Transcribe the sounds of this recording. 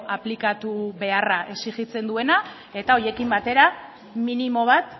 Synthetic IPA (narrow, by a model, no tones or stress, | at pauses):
aplikat̪uβe̞araʔeksixit͡se̞nd̪ue̞na | e̞t̪ao̞ɾje̞kimbat̪e̞ɾa | minimo̞β̞at̪